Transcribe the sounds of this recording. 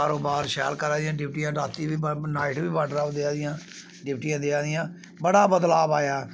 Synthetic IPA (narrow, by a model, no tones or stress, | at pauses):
aːɾoːbaːɾʃɛ̰ːlkəɾaːd̪ijãːɖɪp̚ʈijãːɾaːt̪iːʋiːnaːɪʈʋiːbəɖɾaːʋd̪ɪaːd̪ɪjãː | ɖɪpʈiːãːd̪ɪaːd̪ɪjãː | bəɽaːbəd̪laːbaːjaː